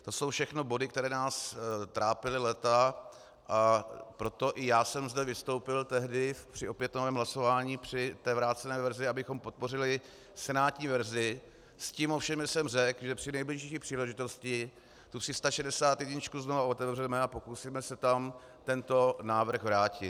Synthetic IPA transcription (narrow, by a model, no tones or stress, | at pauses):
t̪o̞so̞wfʃɛxno̞bo̞dɪkt̪ɛɾɛːnaːst̪ɾʔaːpɪlɪlɛt̪a | ʔapɾo̞t̪o̞ʔɪjaːsɛmzdɛvɪst̪o̞wpɪlt̪ɛɦdɪpr̥ɪo̞pjɛt̪novɛːmɦlaso̞vaːɲiːpr̝̥ɪt̪ɛːvɾaːt̪t͡sɛnɛːvɛɾzɪabɪxo̞mpo̞t̪̚po̞r̝ɪlɪ | sɛnaːt̪ɲiːvɛɾzɪ | sciːmo̞fʃɛmjɛsɛmr̝ɛkʒɛpr̥ɪnɛjblɪʃʃiːpr̥iːlɛʒɪt̪o̞scɪ | t̪upr̥ɪst̪aʃɛdɛsaːt̪jɛɟɲɪt͡ʃkuznovao̞t̪ɛvvrɛmɛapo̞kusiːmɛsɛt̪am | t̪ɛnt̪o̞naːvr̩xɣvɾaːcɪt̪